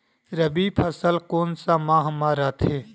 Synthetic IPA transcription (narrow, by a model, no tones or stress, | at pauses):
ɾəbiːpʰəsəlkoːnsãːmãːɦəmaːɾaːt̪ʰeː